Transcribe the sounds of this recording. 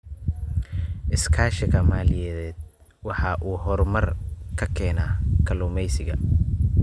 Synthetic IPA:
ʔɪskʰaːʃɪkʰɐmaːlɪjɛːðɛːd̪̚ | wɑħɑːʔuːɦɔrmɐrkʰɐkʰɛːnaːkʰɐluːmɛjsɪɣɐ̰

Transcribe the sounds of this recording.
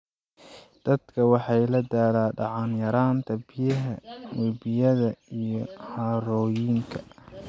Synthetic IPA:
d̪̥ɐd̪kʰɐwɑħɑjlɐd̪aːlaːɖɑʕɑnjɐɾaːnt̪ʰɐbɪjɐɦɐwɛbɪjɐðɐijɔħɑɾɔːjɪŋkʰɐ̥

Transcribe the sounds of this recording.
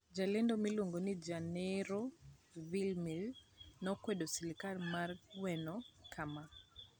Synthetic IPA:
d͡ʒalendomiloŋɡonid͡ʒanɛɾovilmilnɔkwedosilikalmarwɛnɔkʰama

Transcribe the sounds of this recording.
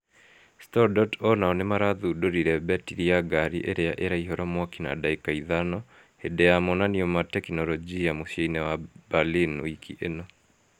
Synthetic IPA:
stɔɾdɔtɔnaɔnemaɾaðudoɾiɾɛbɛtiɾiaɡaɾḭʔeɾeaʔeɾaiɦɔɾamwakina̰daikaiðanɔ | hedɛamɔnaniɔmatɛknɔlɔd͡ʒijamoɕeinɛwabalinwikʰḭʔenɔ

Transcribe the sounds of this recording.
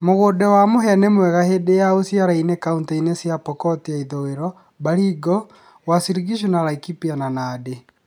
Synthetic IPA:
moɣodɛwamoɦɛnemwɛɣahedejaosjaɾainekauntainesjapɔkɔtiaiðoɣeɾɔ | baɾiɡɔ | wasiɾiɡiʃ̬unalaikipiananade

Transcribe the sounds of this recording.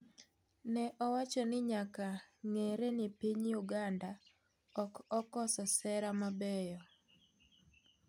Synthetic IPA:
nɛʔɔwat͡ʃɔnɪɲakaŋeɾenɪpiɲjuɡanda | ɔkɔkɔsɔsɛɾamabɛjɔ

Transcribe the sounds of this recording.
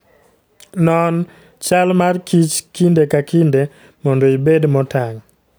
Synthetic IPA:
nɔn | t͡ʃalmarkit͡ʃkindekakinde | mɔndoibedmɔtaŋ

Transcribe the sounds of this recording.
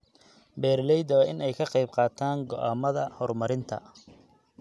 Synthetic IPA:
bɛːɾlɛjd̪ɐɐʔɪnɛjkʰɐqɑjbqɑːt̪ʰaːŋɡɔʔaːmɐðɐhɔrmɐɾɪnt̪ʰɐ̰

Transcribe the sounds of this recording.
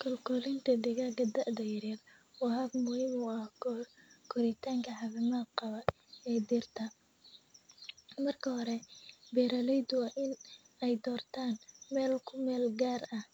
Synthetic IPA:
kʰɐlkʰɔlɪnt̪ʰɐd̪ɛɣaːɡɐd̪ɐʔd̪ɐjɪɾil | wɑɦɐbmʊhiːmʊɐh | kʰɔɾɪt̪ʰaːŋkʰɐħɑβɪmɐqɑβɐ | ɛːd̪ɪrt̪ʰɐ | mɐrkʰɐhɔɾɛbɛːɾɐlɛjd̪ʊwɑʔɪn | ɛjd̪ɔːrt̪ʰaːnmɛːlkʰʊmɛːlɡaːrɐh

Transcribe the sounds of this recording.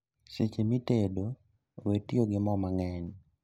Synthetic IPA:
set͡ʃemitedo | wetioɡɪmɔmaŋɛn

